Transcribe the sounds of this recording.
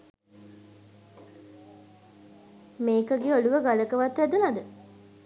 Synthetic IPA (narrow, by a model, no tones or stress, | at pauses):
meːkəɡeoluʋəɡaləkəʋat̪ʋæd̪ənad̪ə